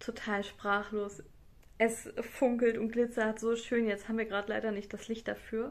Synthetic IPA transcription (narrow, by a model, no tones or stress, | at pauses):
tʰotʰaːlʃpʁ̥aːχloːs | ʔɛsfʊŋkl̩tʊnt̚ɡ̥lɪt͡sɐhatz̥oːʃøːnjɛt͡sthaːmviːɐɡʁaːdəla̰ɪɾɐnɪçt̚d̥aslɪçt̚d̥afyːɐ